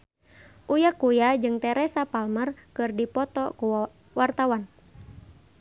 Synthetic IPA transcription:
ʔujakujad͡ʒɨŋt̪ɛɾɛsapalmərkɨrdipɔt̪ɔku | wart̪awan

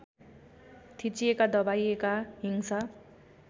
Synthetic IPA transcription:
t̪ʰit͡siekad̪ʌbajekaɦiŋsʌ

